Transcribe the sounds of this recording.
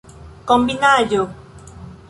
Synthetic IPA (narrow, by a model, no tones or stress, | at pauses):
kombinajo